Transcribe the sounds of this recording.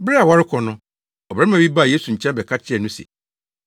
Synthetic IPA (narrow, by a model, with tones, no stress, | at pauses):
bɾɪ˦a˨wa˦ɾɪ˦kʰɔ˨nʊ̃˦ | ɔ˨bɾɛ̃˦m˦ã˨bi˦ba˦˨je˦su˨ɲ̩˨t͡ɕʰɛ̃˦bɛ˨kʰa˦t͡ɕʰɪ˦ɛ˨nʊ̃˦sɛ̰˨